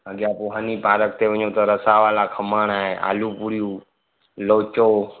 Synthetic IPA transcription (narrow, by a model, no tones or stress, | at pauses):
əɡjaːpoːɦaːniːpaːɾək̚t̪eːʋəɲõːt̪əɾəsaːʋaːlaːkʰəmaːnaːɦeːʔa̰ːluːpuɾijũː | loːt͡ʃoː